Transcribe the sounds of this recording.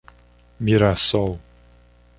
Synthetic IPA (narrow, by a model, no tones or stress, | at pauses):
miɾasɔw